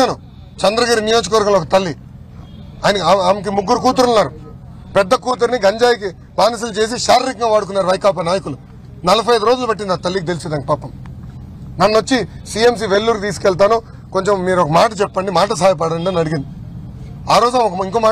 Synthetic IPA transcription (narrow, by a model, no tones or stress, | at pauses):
aːnu | t͡ʃɐnd̪ɾɐɡaːɾinijo̞ːd͡ʒɐkɐʋɐɾɡɐmloɔkɐt̪ɐlːi | aːjnɐkːamik̬imuɡːuɾukuːt̪̬uɾunːaːɾu | pɛd̪ːɐkuːt̪̬uɾniɡɐɲd͡ʒaːjiki | baːnis̬ɐlɐt͡ʃe̞ːs̬iʃaːɾɾikŋɡaːʋaːɽuk̬unːaːɾuʋɐjkaːp̬ɐnaːjɐkulu | nɐlɐpʰɐjɐjd̪uɾoːd͡ʒulɐbɐʈ̬ːind̪aːt̪ɐlːikit̪e̞lisɛd̪aːnkipaːpːɐm | nɐnːot͡ʃːisie̞ms̬iːʋelːuːɾkt̪̬iːskɛɭt̪̬aːnu | ko̞ɲt͡ʃemːiːɾɔkɐmaːʈɐt͡ʃɛpːɐɳɖimaːʈɐs̬aːjɐp̬ɐɽɐɳɖonnɐɽiɡind̪i | aːɾo̞ːd͡ʒunaːmɔkɐiŋkoːmaː